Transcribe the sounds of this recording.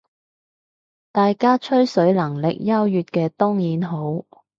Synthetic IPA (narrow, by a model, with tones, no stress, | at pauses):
t̪aː˨jkaː˥t͡ʃʰɵ˥ɥsɵ˨˥ɥlɐ˨˩ŋlɪ˨k̚jɐ˥wjyː˨t̚kɛː˧t̪ʊː˥ŋjiː˨˥nɦo˨˥w